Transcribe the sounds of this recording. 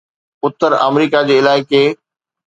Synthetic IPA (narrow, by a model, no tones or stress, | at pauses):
ʊt̪ːəɾɐ̰mɾiːkad͡ʑeːɪlaːɪke